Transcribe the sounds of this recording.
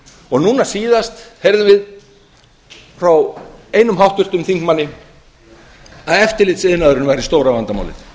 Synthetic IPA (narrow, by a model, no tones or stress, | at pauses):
ɔɣnuːnasiːðast̪hejɾðʏmvɪð | fɾaweːjnʏmɦawht̪vʏr̥t̪ʏmθiŋkmanːɪ | aðɛft̪ɪɾlɪt̪sɪðnaðʏɾɪnvaɾɪst̪owɾavant̪ama̰wlɪ̰n